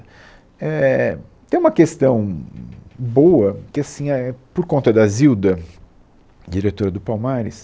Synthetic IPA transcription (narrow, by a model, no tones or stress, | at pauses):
ɛt̪ẽj̃ũmɐkest̪ɐ̃w̃ | bowɐkɪasĩɛpoɾkõnt̪ɐd̪ɐziwd̪ɐ | d͡ʒiɾet̪oɾɐd̪ʊpawmaɾɪ̰s